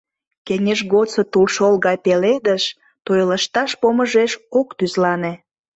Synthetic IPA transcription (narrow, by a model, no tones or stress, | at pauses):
kenʲeʒɣot͡sət̪ulʃolɣɑjpeled̪əʃ | t̪ojləʃt̪ɑʃpoməʒeʃokt̪yzlɑne